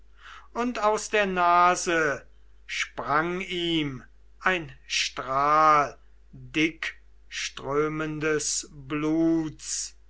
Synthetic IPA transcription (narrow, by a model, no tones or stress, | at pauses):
ʊntaʊsd̥eːɐnaːzə | ʃpʁaŋiːm | ʔaɪnʃtʁaːl | dɪk | ʃtʁøːməndəsbluːt͡s